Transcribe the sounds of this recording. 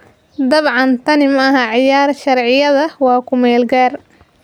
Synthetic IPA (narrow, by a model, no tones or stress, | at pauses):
d̪ɐβʕɑnt̪ʰɐnɪmɐɐɦɐʕɪjaːrʃɐrʕɪjɐðɐwɑːkʰʊmɛːlɡaːr